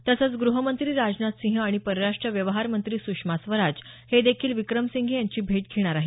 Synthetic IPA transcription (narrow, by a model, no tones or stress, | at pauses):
t̪əsət͡sɡɾuɦəmənt̪ɾiːɾad͡ʑnat̪sĩɦəaɽ̃ipəɾəɾaʂʈɾəʋjəʋɦaɾmənt̪ɾiːsukʂmasʋəɾad͡ʑ | hed̪ekʰiːlʋikɾəmsiŋɡʱijaɲt͡ɕiːbʱeʈkʰeɽ̃aɾaɦi